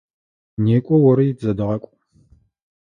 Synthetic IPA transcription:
neːkʷʼɔwɔɾɨjɪzɐdɨʁɐkʷʼ

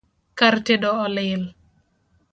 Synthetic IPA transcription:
kaɾtedɔːlɪl

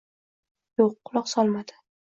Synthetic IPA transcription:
joqːʊlˠɒqsɒlˠmad̪̥ɪ̥

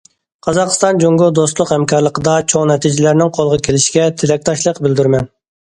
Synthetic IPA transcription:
qʰɑzɑqst̪ɑnd͡ʒoŋɡod̪ost̪lˠʊqhɛmkʰɑɾlˠəqəd̪ɑt͡ʃʰoŋnɛt̪ʰid͡ʒɪlæɾnɪŋqʰolˠəʁɑkʲʰelɪʃɡʲɛt̪ʰɪlɛk̚ʲt̪ʰɑʃlˠəqbɪld̪yɾmɛn

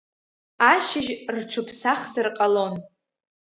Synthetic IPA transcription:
aʃɪʒrʈ͡ʂʰɨpʰsaχzɨrqʼalo̞n

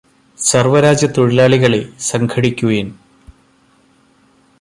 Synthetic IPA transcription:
sɐrʋɐɾaːd͡ʑjɐt̪uɻilaːɭiɣɐɭesɐŋɡʰɐɽikʲːujin

